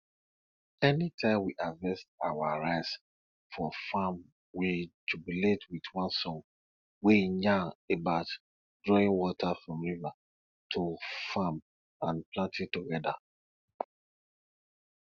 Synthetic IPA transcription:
ɛnitʰãɪ̃mwiʔavɛst̚awaɹaɪs | fɔfãm | wid͡ʒubiletwitwãnsɔ̃ŋ | wejãebaʊt | dɹɔĩnwɔtʰafɹɔ̃mɹiva | tʰufãm | ãnplãntĩtuɡɛda

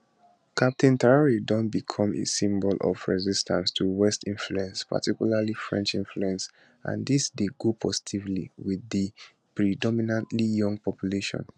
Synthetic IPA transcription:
kʰap̚tʰĩntaɹaɹidɔ̃nt̚bikʰɔ̃mḛsĩmbɔlɔ̰fɹɛzistʰãnstʰuwɛstĩnfluɛ̃nspa̰tʰikjulalifɹɛ̰̃nt͡ʃĩnfluɛ̃ns | ʔã̰nd̪isdeɡopʰɔsi̥tʰivlḭwiði | pɹidɔminãntlijɔ̃ŋɡ̚pʰɔpjuleʃɔ̰̃n

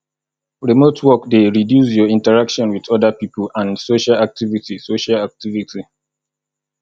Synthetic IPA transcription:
ɹimotʰwɔkdeɹidjusjɔĩntəɹakʃɔ̃nwiðɔdəpiːpəlãnsoʃalak̚tivitisoʃalak̚tivitʰi

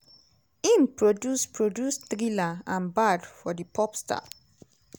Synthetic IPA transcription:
ĩmpʰɹodjuspʰɹodjustɾilaãnbadfɔdəpʰɔpstʰa̰

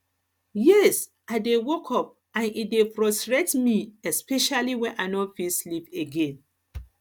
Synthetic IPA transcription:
jɛs | aɪdewokʰɔp̚ | ãnidefɹɔstɹetmiɛspɛʃaliwɛ̃nʔaɪnɔfisliveɡẽn

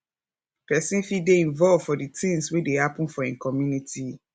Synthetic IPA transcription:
pɛsĩnfideĩɱvɔlvfɔditʰĩŋswedehapũnfɔĩnkʰɔmjunitʰi

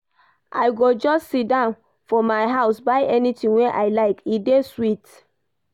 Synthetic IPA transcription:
ʔa̰ɪɡod͡ʒɔstsit̚dãʊ̃n | fɔmaɪɦaʊsbaɪʔɛnitĩnweʔa̰ɪlaɪkideswit

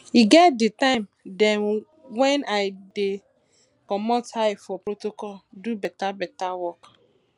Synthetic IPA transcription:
iɡɛt̚dɪtãɪmdɛ̃n | wɛ̃naɪde | kɔmɔthaɪfɔpɾotokɔldubɛtabɛtawɔk

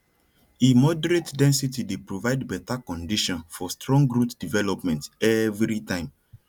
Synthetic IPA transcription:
emɔdɛɹetdɛ̃nsitidepɹovaɪdbɛtakɔ̃ndiʃɔ̃nfɔstɹɔ̃ŋɡɾutdivɛlɔpmɛ̃ntɛvɾitãɪ̃m

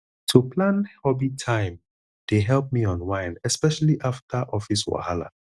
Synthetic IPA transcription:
tʰuplãnhɔbitʰãɪ̃m | d̥eɦɛlp̚miɔ̃nwãɪ̃nɛspɛʃaliʔaftaʔɔfiswa̰hala̰

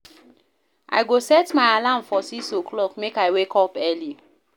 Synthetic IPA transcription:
ʔa̰ɪɡosɛtmaɪalãmfɔsiksokʰlɔkmekaɪwekɔpɛli

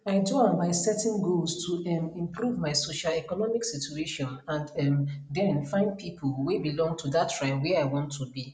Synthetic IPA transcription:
aɪtoãmbaɪsɛtɛ̃nɡolstʰuɛmĩmpɾuvmaɪsoʃalɛkɔnɔmiksitueʃɔ̃nãnɛmdɛ̃nfãɪ̃nd̚pʰipʰulwebilɔ̃ŋɡtʰudatːɹaɪlwɛaɪwɔ̃ntʰːubi

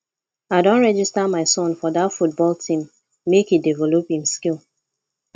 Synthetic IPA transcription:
aɪdõntɹɛd͡ʒistamaɪsɔ̃nfɔðatfut̚bɔltʰĩmː | ekidivɛlophĩmskilˠ

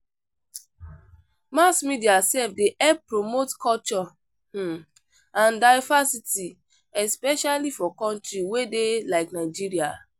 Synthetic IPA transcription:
masmidiasɛfdeʔɛpɹomotkɔlt͡ʃɔ | ãndaɪvasiti | ɛspɛʃalifɔkɔ̃ntɹiwedelaɪknaɪd͡ʒiɹia

